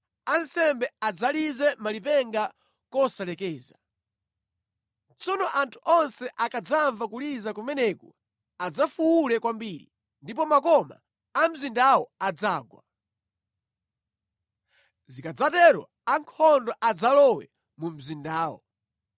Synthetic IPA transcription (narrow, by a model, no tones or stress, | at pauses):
ansɛmbɛad͡zalizɛmalipɛŋɡa | kɔsalɛkɛːza | t͡sɔnɔʔantʰuʔɔnsɛʔakad͡zaɱvakulizakumɛnɛku | ad͡zafuwulɛkwambiːɾḭ | ndipɔmakɔma̰ː | m̩zindawɔad͡zaːɡwa | zikad͡zatɛɾɔ̰ | aŋkʰɔndɔʔad͡zalɔwɛ̰ | mum̩zindaːwɔ̰